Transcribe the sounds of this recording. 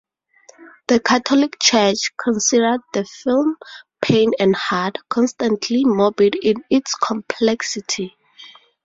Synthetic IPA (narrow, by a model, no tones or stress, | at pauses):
ð̥əkʰatʰɔlikt͡ʃʰɛt͡ʃkʰɔ̃nsidəd̚ðəfilmpʰẽnɛ̃ndhatkʰɔ̃nstãntʰlimobidĩnitskʰɔ̃mpʰlɛksitʰi